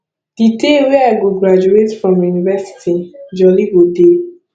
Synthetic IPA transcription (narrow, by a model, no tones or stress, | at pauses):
d̥iteweaɡoɡɾad͡ʒuetfɹɔ̃mjunivɛsi̥tʰid͡ʒɔliɡode